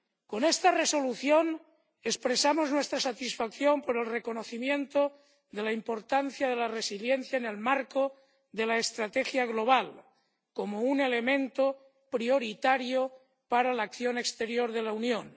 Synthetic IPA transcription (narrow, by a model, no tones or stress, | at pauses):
ko̞nest̪areso̞luθjon | e̞spɾesamoznwe̞st̪ɾasat̪isfakθjo̞mpoɾe̞lreko̞noθimjẽ̞nt̪o | ðe̞laimpo̞ɾt̪an̟θjaðelaresiljen̟θjaene̞lmaɾko | ðe̞laest̪ɾat̪exjaɣ̞lo̞β̞al | komounele̞mẽ̞nt̪o | pɾioɾit̪aɾjo | paɾalaːkθjonekst̪e̞ɾjoɾðe̞launjon